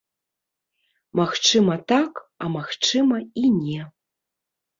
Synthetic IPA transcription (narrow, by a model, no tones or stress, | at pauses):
maxt͡ʂɨmɐt̪akɐmaxt͡ʂɨmɐinʲɛ